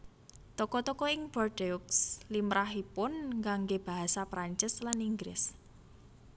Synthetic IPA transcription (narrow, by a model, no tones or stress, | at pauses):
t̪ɔkɔt̪ɔkɔɪŋb̥ɔrɖeukslimɾaɦipʊnŋɡaŋɡeb̥a̤ɦasapɾaɲt͡ʃɪslaniŋɡɾɪ̰s